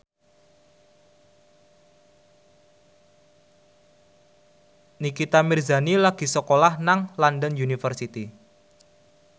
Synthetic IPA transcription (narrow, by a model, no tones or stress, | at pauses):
nikit̪amirzanilaɡ̥i̤səkolahnaŋlandənjunifərsit̪i